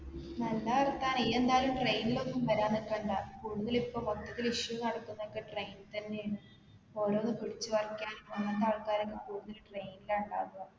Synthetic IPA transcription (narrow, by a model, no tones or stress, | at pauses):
nɐlːaɐrt̪ːaːniend̪aːɐlumʈrejnilonːumpɐɾaːnːikːɐɳɖakuːɽuðɐlipːoːmot̪ːɐt̪ːiliʂʋɐnɐɽɐkːunːɐokːe̞ʈrejnt̪ɐnːe | o̞ːɾoːnːɨpiɽit͡ɕːuʋɐrkːaːnmɐnːɐt̪aːɭkaːɾɐkʲːɐkuːɽuðɐlʈrejnilauɳɖaːunɐɐ